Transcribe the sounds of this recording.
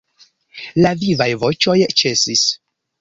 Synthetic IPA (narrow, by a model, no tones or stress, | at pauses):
lavivajvo̞t͡ʃo̞jt͡ʃe̞sis